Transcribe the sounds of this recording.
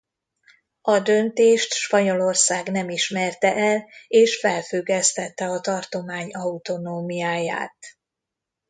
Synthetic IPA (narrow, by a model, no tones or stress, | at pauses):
ɒd̪ø̞nt̪eːʃt̪ʃpɒɲo̞lo̞rsaːɡnɛmiʃmɛrt̪ɛʔɛleːʃfɛlfyɡɛst̪ɛt̪ːɛɒt̪ɒrt̪o̞maːɲɒut̪o̞noːmijaːja̰ːt̪